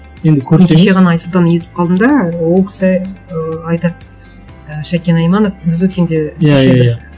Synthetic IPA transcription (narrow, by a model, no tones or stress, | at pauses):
je̞nd̪ɪkʲʰɵɾɪt̪eʃeʁɑnɑːjslˠt̪ɑnje̞t̪ɪ̥p̚qʰɑlˠd̪əmd̪ɑwo̞lˠkʲʰɪ̥sɪ | ɑjt̪ɑt̪̚ | əʃækʲe̞nɑjmɑnofʰɪzwɵt̪kʲe̞nd̪e̞jajead̪a